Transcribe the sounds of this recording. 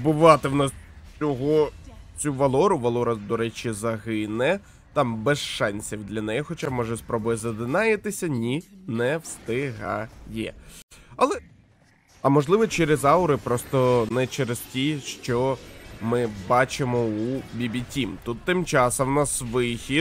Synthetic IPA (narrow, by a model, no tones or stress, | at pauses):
bʊʋɑt̪ɪwnɑst͡sʲɔɦɔt͡sʲuʋɐlˠɔɾʊʋɐlˠɔɾɐd̪ɔɾɛt͡ʃizɐɦɪnɛ | t̪ɑmbɛsʃɑnʲsʲiwd̪lʲɐnɛjɔxɔt͡ʃamɔʒɛspɾɔbʊjɛzɐd̪ɪnɑjɪt̪ɪsʲɐnʲinɛwst̪ɪɦa̰jɛ̰ɐlˠɛ | ɐmɔʒlˠɪʋɔt͡ʃɛɾɪzɑʊɾɪpɾɔst̪ɔnɛt͡ʃɛɾɪztʲiʃt͡ʃɔmɪbɑt͡ʃɪmɔubʲibʲitʲimt̪ut̪ːɪmt͡ʃɑsɐmwnɑsʋɪxʲi